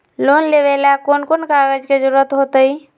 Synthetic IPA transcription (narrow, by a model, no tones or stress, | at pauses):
lonleʋelakoːnkonkaɡəd͡ʒked͡ʒəɾuɾət̪ɦot̪əi